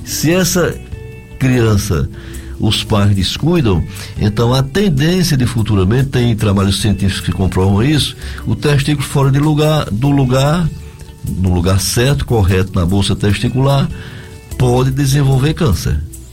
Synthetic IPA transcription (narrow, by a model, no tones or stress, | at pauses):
sɪɛsɐ | kɾiɐ̃sɐ̰ | ʊspajzd̪ɪskujd̪ɐ̃w̃ | ḛ̃nt̪ɐ̃w̃ɐt̪ẽnd̪ẽsjɐd̪ɪfut̪uɾɐmẽnt̪ɪt̪ẽj̃t̪ɾabaʎʊsiẽnt̪ifikʊ̥ʊ̥sɪkõpɾɔvɐ̃w̃isʊ̥ʊt̪eʃt̪ikulʊfɔɾɐd̪ɪluɡaɾd̪ʊluɡaɾ | nʊ̃luɡaɾsɛɾt̪ʊ̥koɦɛt̪ʊnɐbowsɐt̪ɛʃt̪ikulaɾ | pɔd̪ɪd̪ezẽvowveɾkɐ̃sḛɾ